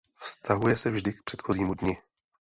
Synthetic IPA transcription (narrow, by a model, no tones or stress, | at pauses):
fst̪ʰaɦujɛsɛvʒdɪk̚pr̥ɛt̪xo̞ziːmudɲɪ